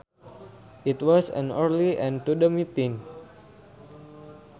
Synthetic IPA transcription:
ʔitwɔsə̰̃nəɾliʔɛ̃ntudəmit̪ĩn

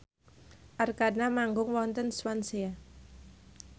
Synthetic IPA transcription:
ʔarkanamaŋɡʊŋwɔnt̪ənswansea

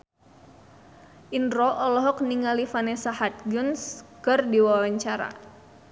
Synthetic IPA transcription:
ʔindɾɔʔɔlɔɦɔk̚niŋalifanɛsahat̪̚ɡʊnskɨrdiwawaɲt͡ʃaɾa̰

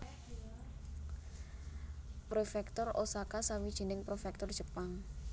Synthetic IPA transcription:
pɾofɛkt̪ɔrosakasawid̥ʒ̥i̤nɪŋpɾofɛk̚t̪ɔr̥ʒ̥ə̤paŋ

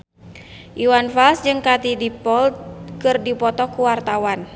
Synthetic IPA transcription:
ʔiwanfalsd͡ʒɨŋkat̪idipɔlkɨrdipɔt̪ɔkuwart̪awan

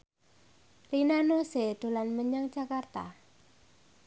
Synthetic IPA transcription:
linanosed̪̥o̤lanməɲaŋd͡ʒakart̪a̰

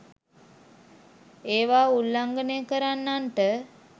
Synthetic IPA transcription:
eːʋaːulːaŋɡənejkəɾanːanʈə

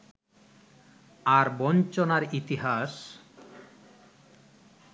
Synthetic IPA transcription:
aɾbɔnt͡ɕonaɾit̪iɦas

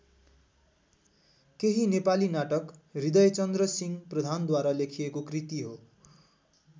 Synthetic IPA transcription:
keɦinepalinaʈʌkrid̪ʌjt͡sʌnd̪rʌsiŋprʌd̪ʱand̪waɾalekʰijekokrit̪iɦo

